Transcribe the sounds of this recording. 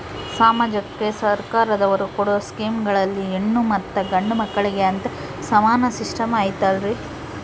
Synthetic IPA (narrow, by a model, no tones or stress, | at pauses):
saːmaːd͡ʒɐkːesɐɾkaːɾɐd̪ɐʋɐɾukoɽoskiːmɡɐɭɐlːienːumɐt̪ːɐɡɐɳɖumɐkːɐɭiɡeɐnt̪e | sɐmaːnɐsiʂʈɐmaːjit̪aːlɾi